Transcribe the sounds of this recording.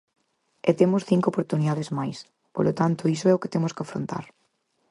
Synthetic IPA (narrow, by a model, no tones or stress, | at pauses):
et̪emʊsθiŋkopoɾt̪uniðaðezmajs | polot̪ant̪ʊisoɛoket̪emʊskafɾo̰nt̪a̰ɾ